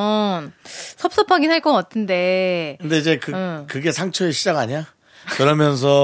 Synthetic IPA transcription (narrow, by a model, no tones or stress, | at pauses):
nsʰʌp̚s͈ʌpʰaɡinɦaɭk͈ʌk͈atʰɯnde̞kɯnde̞id͡ʑe̞kɯkɯɡe̞sʰaŋt͡ɕʰʌeɕʰid͡ʑaɡaɲa | kɯɾʌmjʌns̬ʰʌ